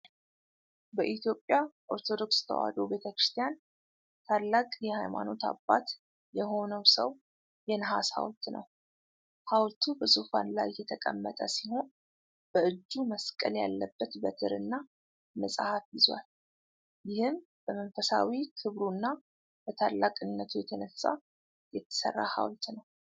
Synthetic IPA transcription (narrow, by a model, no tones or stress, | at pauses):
bəʔit̪ʰjo̞pʼːjaʔo̞ɾt̪ʰo̞d̪o̞kst̪ʰə̰wa̰d̪o̞be̞t̪ʰəkɾɨ̥st̪ʰijan | t̪ʰalːakʼjɛhajma̰no̞t̪ʰa̰bːat̪ | jɛɦo̞nəwsə̰w | jɛnɦa̰sha̰wlt̪nə̰w | hawlt̪ʰubəsufa̰nla̰jːɛt̪ʰəkʼə̰mːət̪ʼəsiho̞n | b̥əɨd͡ʒːuməskʼəlja̰lːəbːət̪bət̪ʰɨɾɨnːa | məsʼahafjɪzwa̰l | jɪhɨm | b̥əmənfəsa̰wikʰɨβɾunːa | b̥ət̪ʰalːakʼɨnːət̪ʰujɛt̪ʰənəsːa̰ | jɛt̪ʰːə̥sə̰rːa̰ha̰wlt̪nəw